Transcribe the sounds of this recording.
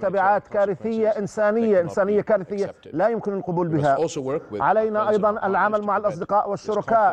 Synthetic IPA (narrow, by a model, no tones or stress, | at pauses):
t̪abɪʕaːt̪kaːɾɪθɪjːaʔɪnsaːnɪjːaʔɪnsaːnɪjːakaːɾɪθɪjːa | lajʊmkɪnɪlqʊbuːlbɪɦaʕalajnaʔɑjðˤɑnʔɪlʕamalmaʕalʔɑsˤd̪ɪqɑːʔwɪʃːʊɾˤɑkaːʔ